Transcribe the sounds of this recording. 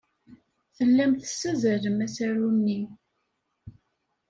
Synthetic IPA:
θəlːæmθə̥sːæzəɾəmæsæɾunːi

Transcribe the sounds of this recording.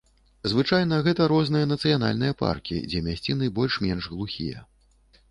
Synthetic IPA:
zvɨt͡ʂajn̪ɐɣɛt̪ɐɾɔznɨjɐn̪ɐt̪sɨjan̪a̰lʲnɨjɐpa̰rkʲḭd͡zʲɛmʲasʲt͡sʲinɨbɔlʲʂmʲɛnʐɣlˠuxʲḭjɐ̰

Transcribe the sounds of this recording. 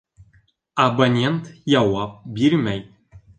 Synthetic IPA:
abɐnʲent̪jawɑp̚bʲiɾʲmʲæj

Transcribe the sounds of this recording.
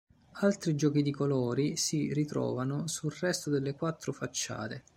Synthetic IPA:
alt̪ɾid͡ʒɔːk̟id̪ikolɔːɾisirit̪ɾɔ̰ːvanosulrɛst̪od̪elːekwat̪ːɾʊfat͡ʃːa̰ːt̪e

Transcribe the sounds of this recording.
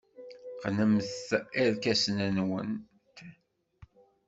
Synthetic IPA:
qnəmθæɾkæsnənwən | t̪

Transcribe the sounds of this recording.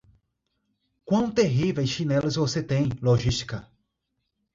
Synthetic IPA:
kwɐ̃w̃t̪eɦivejsʃinɛlɐzvoset̪ẽj̃loʒist͡ʃi̥kɐ

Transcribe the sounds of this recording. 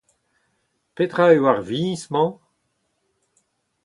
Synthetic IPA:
pet̪ʁaywaʁviismɑ̃

